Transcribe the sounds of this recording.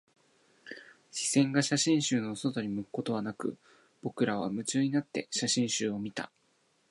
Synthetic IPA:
ɕi̥sẽ̞ŋɡaɕaɕĩɰ̃ɕɨːno̞sot̪o̞ɲ̟ʲimɯ̟kɯ̥ko̞t̪o̞β̞anakɯ̟̰ | b̥o̞kɯ̟ɾaβ̞a̰mɯ̟t͡ɕɨːɲ̟inat̪ːe̞ɕaɕĩɰ̃ɕɨːo̞mʲit̪a̰

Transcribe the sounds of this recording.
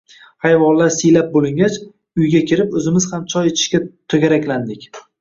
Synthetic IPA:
hajvɒnlaɾsɪjlap̚bolɪŋɡʲat͡ʃ | ʊjɡʲakʲʰɪɾɪpɵzɪmɪzhamt͡ʃʰɒjet̪ʰɪ̥ʃkʲat̪ʰoɡʲaɾakʲland̪ɪkʲ

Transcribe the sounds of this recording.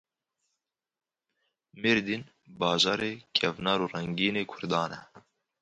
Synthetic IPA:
miɾd̪in | bɑːʒɑːɾeːkʰɛvnɑːɾuːrɛŋɡiːneːkʰʊɾd̪ɑːnɛ

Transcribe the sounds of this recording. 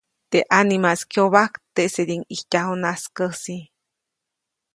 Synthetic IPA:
t̪eʔanimaskʰjoβakt̪eʔseɾiŋihcʲahonaskəsi

